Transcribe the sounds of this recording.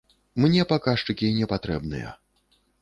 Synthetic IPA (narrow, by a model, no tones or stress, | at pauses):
mnʲɛpakaʂt͡ʂɨkʲinʲɛpat̪ɾɛbnɨ̰jɛ̰